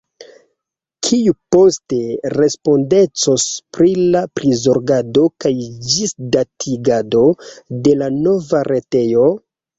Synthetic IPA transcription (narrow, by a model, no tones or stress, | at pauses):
kʰijupo̞ste̞ɾe̞spo̞nde̞t͡so̞spɾilapɾizoɾɡado̞kajd͡ʒisdatʰiɡado̞de̞lano̞vaɾe̞te̞jo̞